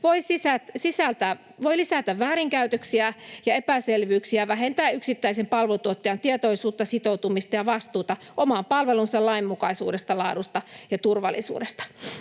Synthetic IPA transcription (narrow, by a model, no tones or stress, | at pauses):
ʋoisisæt̪sisælt̪æ | ʋoilisæt̪æʋʋæːɾiŋkæyt̪øksiæjɑepæselʋyːksiæʋæɦent̪æːyksit̪ːæisempɑlʋot̪uot̪ːeɑnt̪iet̪oisuːt̪ːɑsit̪out̪umist̪ɑjɑʋɑst̪uːt̪ɑ | ʔomɑmpɑlʋelunsɑlɑimːukɑisuːdest̪ɑlɑːdust̪ɑjɑt̪urʋɑ̰lːˑisṵːdest̪ɑ̥